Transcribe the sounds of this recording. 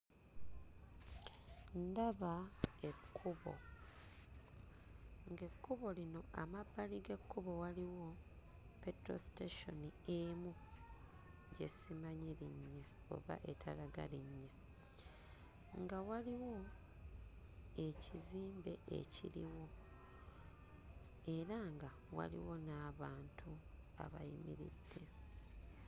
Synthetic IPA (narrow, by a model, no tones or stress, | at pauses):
ndaβaekʰːuβo̰ | ŋɡe̞kːuβo̞lino̞amabːaliɡe̞kʰːuβo̞waliwo̞ | petɾo̞̰si̥teʃo̞nieːmu | ɲɟe̞̰simaɲiɾiɲːa | o̞̰βa̰ʔe̞tʰaɾaɡa̰liɲːa | ŋɡawaliwo̞ | e̞ciziːmbe̞ʔḛcḭɾḭwo̞ | e̞ɾaŋɡa | wa̰lḭwo̞naːβaːntʰu | a̰βa̰jimḭɾḭdːe̞